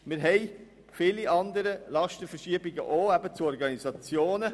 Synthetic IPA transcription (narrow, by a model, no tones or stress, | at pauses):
mɪɾɦɛɪ | fɪːliʔɑnd̪əɾəlɑʃtəfəɾʃiəbiɡə̰ʔoːæbət͡suɔɾɡɑnizɑt͡sjoːnə